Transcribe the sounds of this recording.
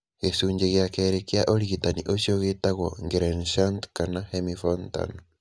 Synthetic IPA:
ɣesuːɲɟeɣjakeːɾekiaʔoɾiɣitanḭʔoʃjoɣetaɣoŋɡeɾenʃantkanahemifonta̰no

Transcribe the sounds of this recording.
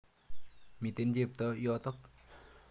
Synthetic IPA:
mit̪ɪnd͡ʒep̚t̪ɔjɔt̪ɔk̚

